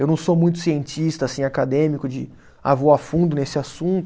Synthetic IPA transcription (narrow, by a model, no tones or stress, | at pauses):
ewnɐ̃w̃somũj̃t̪̬ʊ̥siẽnt͡ʃist̪ɐasĩakad̪ẽmikʊd͡ʒɪ | a̰voafũnd̪ʊnesɪasũnt̪ʊ